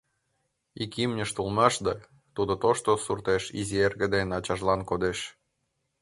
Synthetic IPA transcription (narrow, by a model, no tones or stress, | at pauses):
ikimnʲə̆ʃt̪ulˠmɑʃd̪ɑ | t̪ud̪ŏt̪oʃt̪osurt̪eʃḭzierɣə̆d̪enɑt͡ɕɑʒlɑnkod̪eʃ